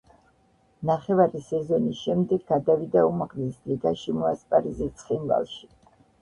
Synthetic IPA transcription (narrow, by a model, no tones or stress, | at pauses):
naχɛvaɾisɛzɔnisʃɛmd̪ɛɡɡːad̪avid̪aumaʁlisliɡaʃimɔaspʼaɾizit̪sʰχinva̰lˠʃi̥